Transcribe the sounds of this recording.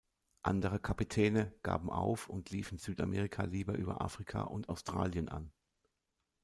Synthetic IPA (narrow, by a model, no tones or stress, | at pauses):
ʔandəʁəkʰapitʰɛːnəɡ̥a̰ːbm̩ʔaʊfʊntʰliːfn̩z̥yːtamʔɛːʁɪkʰaliːbɐʔyːbɐ̰ʔa̰ːfʁ̥ikʰa̰ʔʊntaʊstʁ̥a̰ːljənʔa̰n